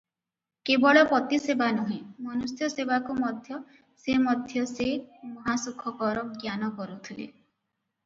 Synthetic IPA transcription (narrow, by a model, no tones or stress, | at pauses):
kebɔɭɔpɔt̪isebanuɦĩmɔnusjɔsebakumɔd̪ʱjɔ | semɔd̪ʱjɔsemɔɦasukʰɔkɔɾɔɡjanɔkɔɾut̪ʰilḛ